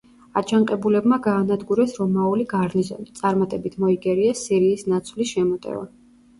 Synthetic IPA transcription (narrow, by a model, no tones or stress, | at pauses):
at͡ʃʰaɴqʼɛbulɛbmaɡaːnad̪ɡuɾɛsɾɔmauliɡaɾnizɔ̰nit̪sʼaɾmat̪ʼɛbit̪ʰmɔiɡɛɾiasiɾiːsnat̪sʰvliʃɛmɔt̪ʼɛ̰va̰